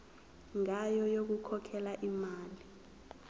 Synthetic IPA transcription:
ŋajɔjok̬ukʰɔkʰɛlaʔimaːli

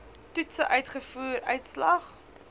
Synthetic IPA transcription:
tutsəʔœɥtχəfuːrœɥtslɐχ

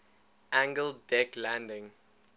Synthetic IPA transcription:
ʔæ̃ŋɡəldɛklæ̃ndɪ̃ŋ

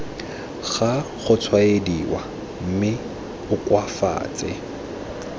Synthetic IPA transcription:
ɣaχʊt͡sʰwaediwa | m̩mɪ | ʊkʼwafa̰ːt͡sʼɛ̰

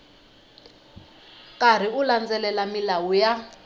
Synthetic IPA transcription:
kʼar̤iuland͡zɛlɛlamilawuja

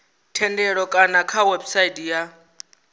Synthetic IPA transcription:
tʰɛndɛɺɔkʼanakʰawɛbsaitʼija

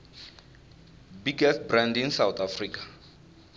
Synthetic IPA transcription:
biɡɛst̚brãndinsawt̪afriːkʼḁ

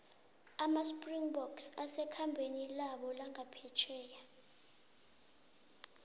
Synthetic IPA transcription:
amaspʼriŋbɔksasɛkʰambʱenilaɓɔlaŋɡʱapʰɛt͡ʃʰɛːja

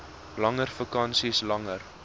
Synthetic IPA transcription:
lɐŋərfəkɐnsislɐŋər

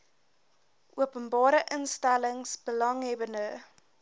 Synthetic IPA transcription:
ʔuəpənbɑːɾəʔənstæləŋsb̥əlɐŋɦɛbəndə

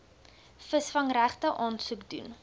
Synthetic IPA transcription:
fəsfɐŋræχtəʔɑːnsukdṵn

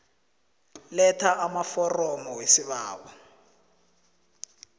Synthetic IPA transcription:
lɛtʰaʔamafɔrɔmɔwesiɓaːɓɔ

